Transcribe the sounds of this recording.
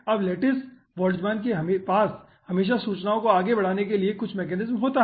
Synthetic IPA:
ɐbleːʈɪs | ʋɔːld͡ʒmaːnk̬eɦɐmpaːs | hɐmeːʃ̬asuːt͡ʃnaːõkoaːɡebɐɽ̤aːnekeliekʊt͡ʃʰmeːk̬ɛːnɪzmɦoːt̪aɦɛ

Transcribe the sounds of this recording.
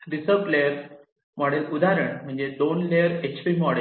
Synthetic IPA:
ɾisəɾpleəɾ | mɔɽelud̪aɾəɳm̤əɳd͡zed̪onleəɾet͡ɕpimɔɽe

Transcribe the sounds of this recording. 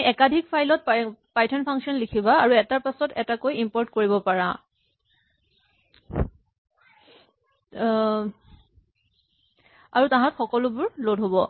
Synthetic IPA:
ɛkadʱikpʰajlɔt̚pajtʰɔnpʰaŋksiɔnlikʰibaːɹuɛtaɹpasɔtɛtakojimpɔɹtkoɹibɔpaɹã̰ | a̰ɹutãɦãtxɔkɔlʊbʊɹlodɦobɔ

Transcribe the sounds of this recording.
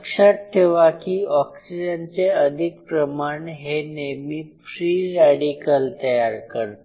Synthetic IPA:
kʂaʈ̚ʈʰːeʋakiɔksid͡ʑant͡seəd̪ʱikpɾəmaɳɦenemiːfɾiɾaɽikəlt̪əjaɾkəɾt̪

